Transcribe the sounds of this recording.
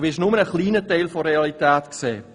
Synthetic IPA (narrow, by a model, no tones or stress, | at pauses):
vɪɪʃnʊmənəχliːnətɛɪlfɔɾeɑlitɛːtksḛː